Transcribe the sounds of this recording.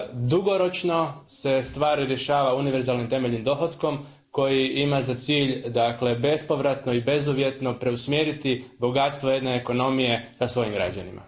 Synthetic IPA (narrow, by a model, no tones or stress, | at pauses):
d̪uɡo̞ɾo̞t͡ʃno̞se̞st̪ʋaːɾiɾje̞ʃaːʋauniʋe̞ɾzaːlnimt̪e̞me̞ʎnimd̪o̞ɦod̪ko̞m | ko̞jiimazat̪siːʎd̪akle̞be̞spo̞ʋɾat̪no̞ibe̞zuʋje̞t̪no̞pɾe̞usmjeɾit̪ibo̞ɡat̪st̪ʋo̞je̞d̪ne̞ːko̞no̞mije̞kasʋo̞jimɡɾa̰d͡ʑa̰nḭmʔa̰